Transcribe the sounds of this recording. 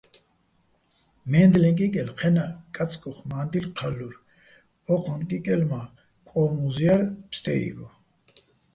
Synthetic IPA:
mɛːnd̪lɛ̃ŋkʼikʼɛlqʰɛnakʼat͡sʰʼkʼɔχmaːnd̪ilqʰalːuɾ | ɔqʰɔnkʼikʼɛlma | kʼɔːmuzjaɾpst̪ʰʼɛ̰ḭɡɔ

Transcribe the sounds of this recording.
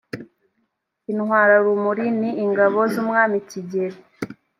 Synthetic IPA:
inhwaːɾaɾumuɾiniːŋɡaβo̞zumŋaːmiciɟe̞ɾi

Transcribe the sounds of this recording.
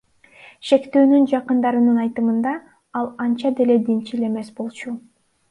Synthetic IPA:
ʃe̞kt̪øːnynd͡ʒɑqɯnd̪ɑɾɯnɯnɑjt̪ɯmɯnd̪ɑ | ɑlˠɑnt͡ʃɑd̪e̞le̞d̪int͡ʃile̞me̞sbo̞lˠt͡ʃu

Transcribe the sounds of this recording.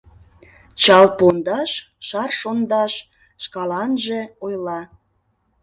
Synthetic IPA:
t͡ɕɑlpond̪ɑʃ | ʃɑrʃond̪ɑʃ | ʃkɑlɑnʒeojlɑ

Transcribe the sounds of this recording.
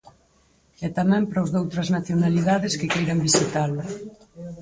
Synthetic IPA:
ɛt̪amɛ̃mpɾozðowt̪ɾɐznaθjonaliðaðɪskɪkejɾɐmbisit̪alʊ

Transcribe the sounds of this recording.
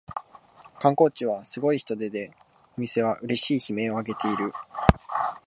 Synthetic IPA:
kãŋko̞ːt͡ɕiβ̞asɨɡo̞içi̥t̪o̞d̪e̞d̪e̞ | o̞mʲise̞βaʔɯ̟ɾe̞ɕiːçime̞ːo̞aɡe̞t̪e̞iɾɯ̟

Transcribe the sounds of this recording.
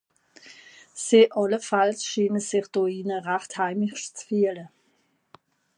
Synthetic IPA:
siʔɑləfalsʃiːnəsɪχd̥oiːnəʁaχthaɪmɪçt͡sfyːlə

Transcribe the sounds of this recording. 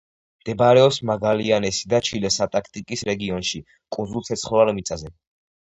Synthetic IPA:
md̪̥ɛbɾɛɔpsmaɡalianɛsid̪at͡ʃʰilɛsat̪ʼakʰt̪ʼikʼisɾɛɡiɔnʃi | kʼunzulˠt̪sʰɛt̪sʰχɔvalmit̪sʼazɛ

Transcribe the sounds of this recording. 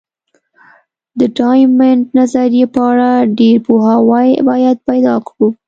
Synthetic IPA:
d̪əɖɑjmeɳɖnazaɾjepəaɽaɖeɾpoɦɑwajbɑjad̪̚pajd̪ɑkɽu

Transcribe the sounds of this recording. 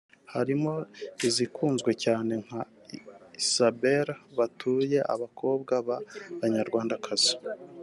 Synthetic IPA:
haɾimo̞izikʰuːnzɡwe̞caːne̞ŋ̥ha | iisabeɾβatʰuːje̞ʔa̰βakʰo̞ːbɡaβaβaɲaɾɡwaːndakʰaz̥i̥

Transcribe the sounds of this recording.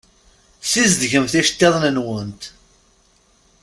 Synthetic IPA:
sizd̪ʝəmθiʃə̥t̪ːeðˤnənwənt̪

